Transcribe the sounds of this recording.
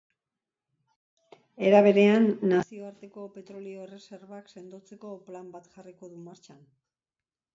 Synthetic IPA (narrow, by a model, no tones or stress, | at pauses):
e̞ɾaβ̞e̞ɾe̞anːasio̞aɾt̪e̞ko̞pe̞t̪ɾo̞lio̞re̞se̞ɾβakse̞nd̪o̞t͡se̞ko̞plambat̪ʝariko̞ðumaɾt͡ʃan